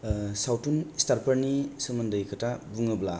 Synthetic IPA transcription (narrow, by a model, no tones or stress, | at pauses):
sawtunistaɾpʰɐɾnisɯmɯndɯjkʰɯtabuŋɯbla